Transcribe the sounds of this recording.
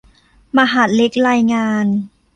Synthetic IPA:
ma˧ɦa˨˩t̪̚le˦˥k̚ɾaː˧jŋaː˧n

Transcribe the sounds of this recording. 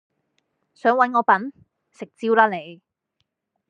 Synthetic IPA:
sœː˨˥ŋwɐ˨˥nŋɔː˨˧pɐ˨˥n | sɪ˨k̚t͡siː˥wlaː˥le˨˧j

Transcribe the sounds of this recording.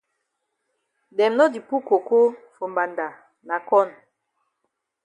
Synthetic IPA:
dɛ˨mnɔ˦di˨pu˦ko˨ko˦fo˨mba˨nda˨ | na˨kɔ˦˨n

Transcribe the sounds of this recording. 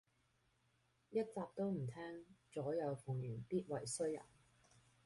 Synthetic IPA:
jɐ˥t̚t͡saː˧p̚t̪o˥wm̩˨˩t̪ʰɛː˥ŋt͡sɔː˨˥jɐ˨˧wfʊ˨˩ŋjyː˨˩npiː˥t̚wɐ˨˩jsɵ˥ɥjɐ̰˨˩n

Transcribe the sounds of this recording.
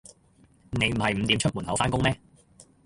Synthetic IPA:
ne˨˧jm̩˨˩hɐ˨jm̩˨˧t̪iː˨˥mt͡ʃʰɵ˥t̚muː˨˩nhɐ˨˥wfaː˥nkʊ˥ŋmɛː˥

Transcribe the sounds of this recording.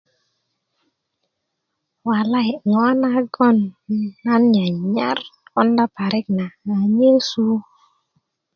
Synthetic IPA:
wa˨la˦hi˨ŋɔ˦na˦ɡɔ˦na˦nɲa˨ɲa˦ɾɔ˦nda˦pa˨ɾʔi˦k̚na˨ŋa˨ɲe˦su˦

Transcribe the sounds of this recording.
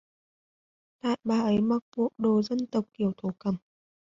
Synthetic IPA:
t̪a̰ː˧˨jɓaː˨˩ʔə˨˦jma˨˩k̚ku˨˩ək̚ɗo˨˩zə˧nt̪ə˨˩wk͡p̚ki˨˧˩əwt̪ʰo˨˩˦kə˨˧˩m

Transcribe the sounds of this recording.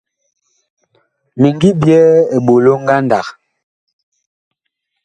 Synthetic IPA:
mi˨ŋɡi˦bjɛ˦e˨ɓo˨lo˦ŋ˦ɡa˦nda˨k

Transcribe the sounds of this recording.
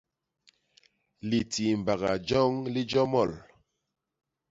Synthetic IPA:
li˨ti˨m˨ba˨ɣa̰˨d͡ʒɔ˦ŋli˦d͡ʒɔ˦mɔ˦˨l

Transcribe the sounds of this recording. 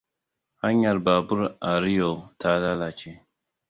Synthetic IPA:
ha˦ɲa˨lba˨bu˦ɾa˨ɾi˦jo˨lta˦la˦la˨t͡ʃe˦

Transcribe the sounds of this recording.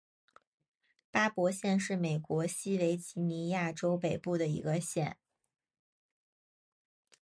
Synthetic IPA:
pa˥pwɔ˧˥ɕjɛ˥˧nʂɻ̩˥˩me˨˩ɪkwɔ˧˥ɕi˥we˧˥ɪt͡ɕi˧˥ni˧˥ja˥˩ʈ͡ʂo˥ʊpe˨˩ɪpu˥˩d̪ə˩ḭ˧˥ɡə˧ɕjɛ˨˩˦n

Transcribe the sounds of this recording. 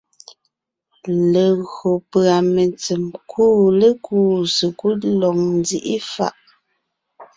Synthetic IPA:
le˨ɣɰo˨pɰa˨me˨nt͡si˨mkʰuː˦le˦kʰuː˦sə˨ku˦lɔ˨ŋn˦di˦ʔi˦fa̰˦˨ʔ

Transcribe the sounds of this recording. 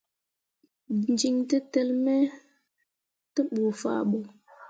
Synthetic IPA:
nd͡ʒi˨ŋtə˦te˦lmɛ˦ | tə˦ɓo˨fa̰˨ɓo˨

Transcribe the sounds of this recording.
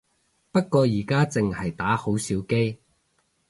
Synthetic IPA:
pɐ˥t̚kɔː˧jiː˨˩kaː˥t͡sɪ˨ŋhɐ˨jt̪aː˨˥ho˨˥wsiː˨˥wke˥j

